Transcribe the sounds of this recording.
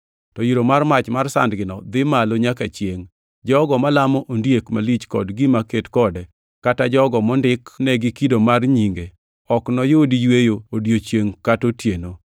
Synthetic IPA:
tɔjiɾomarmat͡ʃmarsa̰ndɡɪnɔd̪ɪmaloɲakat͡ʃjeŋ | d͡ʒɔɡɔmalamɔʔondjekmalit͡ʃkɔ̰dɡɪmaketkɔdɛ | katad͡ʒɔɡɔmɔndɪknɛɡɪkidomarɲiŋɡe | ɔknɔjodijwejoodjot͡ʃjeŋkatotjeno

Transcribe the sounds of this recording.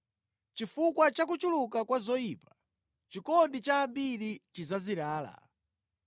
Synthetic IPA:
t͡ʃifukwat͡ʃakut͡ʃulukakwazɔiːpḁ | t͡ʃikɔndit͡ʃaːmbiɾit͡ʃizaziɾaːla̰

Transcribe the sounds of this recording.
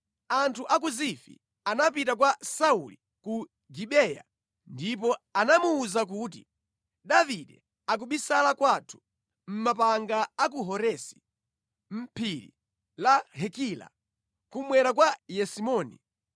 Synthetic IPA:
antʰuʔak̬uzifḭ | anap̬it̬ak̬wasauli | ku | ɡiɓɛja̰ | ndip̬ɔanamuːzak̬uːt̬ḭ | ɗaviɗɛ | ak̬uɓisalakwatʰu̥ | m̩mapaŋɡaːk̬uɦɔɾɛsi̥ | m̩pʰiɾḭ | lahɛkila̰ | kumwɛɾak̬wajɛsimɔːnḭ

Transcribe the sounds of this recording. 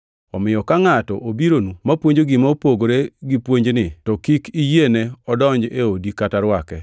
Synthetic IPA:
ɔmɪjɔkaŋatɔ̰ʔobiɾonumapwoɲd͡ʒoɡɪmaopoɡoɾeɡipwoɲd͡ʒnɪtɔkikijeneɔdɔɲd͡ʒeodikataɾwakɛ

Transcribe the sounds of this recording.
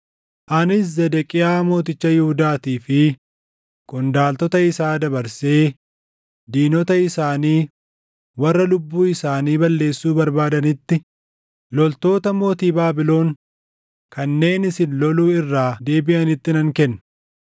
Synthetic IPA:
ʔɐnɪs̬zɛd̪ɛkʼɪjaːmo̞ːt̪ɪt͡ʃːɐjɪhʊd̪aːt̪iːfɪ | kʼʊnd̪aːlt̪ɔt̪ɐɪsaːd̪ɐbɐɾse̞ː | d̪iːnɔt̪ɐɪsaːniː | wɐrːɐlʊbːuːɪsaːniːbɐlːe̞ːsːuːbɐɾbaːd̪ɐnɪt̪ːɪ | lɔlt̪o̞ːt̪ɐmo̞ːt̪iːbaːbɪlo̞ːŋ | kʰɐnːe̞ːnɪsɪnlɔluːɪrːaːd̪e̞ːbɪʔɐnɪt̪ːɪnɐŋkɛnː

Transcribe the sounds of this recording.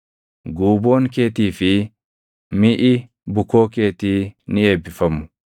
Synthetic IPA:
ɡuːbo̞ːŋke̞ːt̪iːfɪ | mɪʔɪ | bʊkoːke̞ːt̪iːnɪeːbːɪfɐmːʊ̥

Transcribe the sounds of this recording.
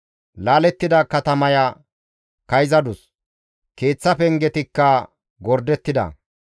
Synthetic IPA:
laːlɛt̪ːɪd̪ɐkɐt̪ɐmɐja | kɐjzɐd̪ʊs | ke̞ːt͡sːɐpɛŋɡɛt̪ɪkːɐ | ɡɔɾd̪ɛt̪ːɪd̪ɐ̰

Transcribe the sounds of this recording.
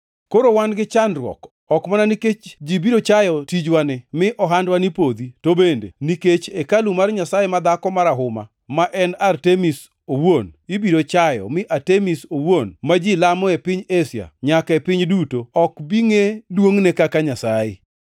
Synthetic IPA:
koɾowanɡɪt͡ʃanrwɔ̰k | ɔkmananiket͡ʃd͡ʒibiɾot͡ʃajɔtid͡ʒwanɪmɪʔɔɦandwanipod̪itobendḛniket͡ʃekalumarɲasajemad̪akɔmaɾaɦʊma̰ | maʔɛnartemis | owonibiɾot͡ʃajɔ̰mɪʔatemisowonmad͡ʒilamɔepɪɲesja̰ɲakɛpɪɲdutoɔkbiŋedwoŋnekakaɲasajɪ

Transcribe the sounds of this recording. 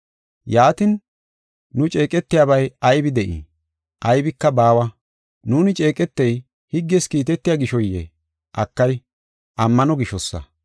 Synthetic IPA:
jaːt̪ɪnː | ʊt͡ʃʼe̞ːkʼɛt̪ːɪjaːbɐjɐjbɪd̪ɛʔḭ | ʔɐjbɪkːɐbaːwɐ | nuːnɪt͡ʃʼeːkʼɛt̪ːɛj | hɪɡːɛskiːt̪ɛt̪ːɪjaːɡɪʃɔjːɛ̰ | ʔɐkːɐj | ʔɐmːɐnɔɡɪʃɔsːɐ̰

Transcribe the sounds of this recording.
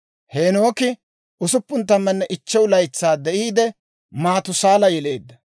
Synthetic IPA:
heːnoːkɪ | ʊsʊpːʊnt̪ːɐmːɛnːɛʔɪt͡ʃːɛwlɐjt͡sːaːd̪ɛʔiːd̪ɛ | maːt̪ʊsaːlɐjɛle̞ːd̪ːɐ

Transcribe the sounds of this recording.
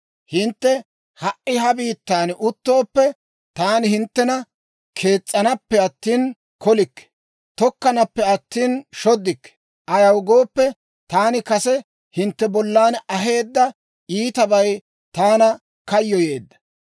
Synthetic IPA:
hɪnt̪ːɛ | hɐʔʔɪɦɐbiːt̪ːaːnʔʊt̪ːo̞ːpːɛ | t̪aːnɪhɪnt̪ːɛnɐ | kʰe̞ːt͡sʼːɐnɐpːɛɐt̪ːiːn | kɔlɪkːɛ̥ | t̪ɔkːɐnɐpːɛɐt̪ːiːnʃɔd̪ːɪkːɛ̥ | ʔɐjɐwɡo̞ːpːɛ | t̪aːnɪkɐsɛ | hɪnt̪ːɛbɔlːaːnɐɦe̞ːd̪ːɐ | iːt̪ɐbɐj | t̪aːnɐ | kɐjːɔje̞ːd̪ːɐ̥

